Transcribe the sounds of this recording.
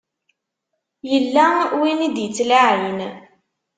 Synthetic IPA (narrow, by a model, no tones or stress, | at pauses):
jəlːawinid̪jət͡sːlaʕin